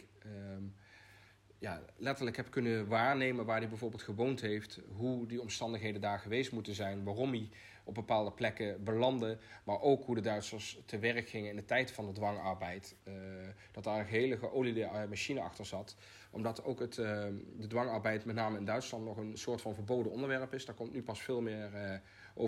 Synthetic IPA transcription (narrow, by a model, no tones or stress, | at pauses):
ja̰ːlɛtəɹləkɦɛpkɵnəʋaːɹnejmənʋaːɹdibɛjvʊːɹbɪːlˠtχəʋowntɦejftɦudiɔmstɑndəχɦejdəndaːɹχəʋejstmutənzɛjnʋaːrɔmdi | ɔb̚bəpaːlˠdəplɛkəbəlɑndəmaːɹʔowkɦudədœɥtsəɹstəʋɛɹəkχɪŋənɪndətɛjtfɑndədʋɑŋɑɹbɛjt | d̥ɑt̚daːɹənχəɦejləxəʔowlidmaʃinəɑ̰xtəɹzɑt | ʔɔ̰mdɑtowkətdədʋɑŋɑɹbɛjtmɛtnaːməɪndœɥtslɑntnɔχənsʊːɹtfɑnvəɹbowdənɔndəɹʋɛɹəpɪsdaːɹkɔmtnypɑsfɪːlˠmɪːɹ | ʔo̰